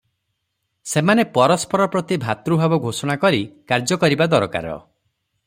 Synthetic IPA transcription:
semanepɔɾɔspɔɾɔpɾɔt̪ibʱat̪ɾubʱabɔɡʱosɔɽ̃akɔɾikaɾd͡ʒɔkɔɾibad̪ɔɾɔka̰ɾɔ̰

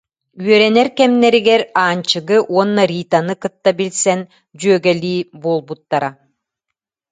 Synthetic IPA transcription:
yœɾɛnɛɾkɛmnɛɾiɡɛɾaːnt͡ɕɯɡɯʔuɔnːɐɾiːt̪anɯkɯt̪ːabilsɛn | d͡ʑyœɡɛlʲiːbuːlˠbut̪ːaɾa

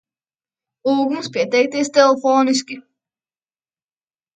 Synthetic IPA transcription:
uːɡumspʲiɛt̪ɛjk̚t̪ʲist̪ɛlˠfoːnisʲkʲi

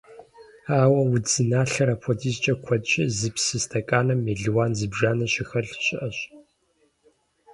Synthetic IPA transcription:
aːwɐwʊzɨnaːɬɐɾɐpʷʰɔtʰiːzt͡ʃʼɐkʷʰɔdt͡ʃʼɐzɨpsɨstʰɐkʼaːnɐmeːɮɨwaːnzɨbʒaːnɐɕɪxɐɬɕɪʔɐɕ

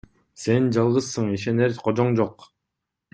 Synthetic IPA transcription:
se̞nd͡ʒɑlˠʁɯzsɯɴiʃe̞neɾqʰod͡ʒoɴd͡ʒoq

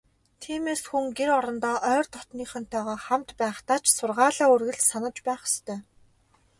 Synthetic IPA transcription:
t̪ʰiːmeːsxuŋɡeɾɔɾɞ̆nt̪ɔːʔœːrt̪ʰɔt̪niːχœn̥t̪ʰœːʁaːχamt̪pæːχt̪aːt͡ɕsʊrʁaːɮaːɵrɣɘ̆ɮsanə̆t͡ɕpæːχʊ̥st̪ʰœː

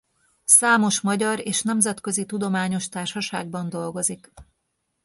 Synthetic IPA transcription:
saːmo̞ʃmɒɟɒɾeːʃnɛmzɛt̪køzit̪ud̪o̞maːɲo̞ʃt̪aːrʃɒʃaːɡ̚bɒnd̪o̞lɡo̞zik

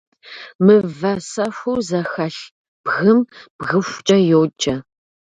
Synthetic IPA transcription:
mɨvɐsɐɕʷuːzɐxɐɬ | b̥ɣɨmb̥ɣɨɕʷt͡ʃʼɐjowt͡ʃʼɐ

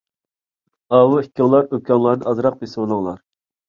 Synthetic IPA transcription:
ɑwuhikʲʰːɪŋlˠɑɾøp̚kʲʰɑŋlˠɑɾnɨʔɑzɾɑq̚besɪwolˠɨŋlˠɑ̰ɾ

